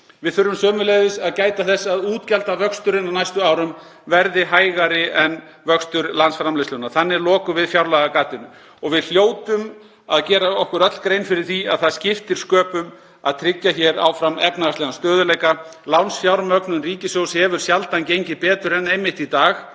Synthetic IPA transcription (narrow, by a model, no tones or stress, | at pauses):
vɪðθʏɾːʏmsœːmʏleːjðɪsaðcaːjt̪aθɛsːaðuːt̪calt̪avœkst̪ʏɾɪnawnajst̪ʏawɾʏm | vɛɾðɪɦaːjɣaɾɪʔɛn | vœkst̪ʏɾlansfɾamleslownaθanːɪɾlɔːkʏvɪðfjawɾlaɣakaːt̪ɪnːʏ | ɔɣvɪðl̥joːwt̪ʏm | aðcɛːɾaɔhkʏɾœt̪l̥kɾeːjnfɪɾɪɾ̥θia̰ðθaðscɪft̪ɪɾ̥skœːpʏm | a̰ðt̪ʰɾɪcːaçɛɾa̰wfɾamɛ̰pnaast̪lɛɣanst̪œːðʏlɛjkalawnsfjawɾmœknʏnriːcɪsjowshɛːvʏɾ̥sjalt̪ancejɲcɪpɛːt̪ʏɾɛnejmːɪht̪it̪aːx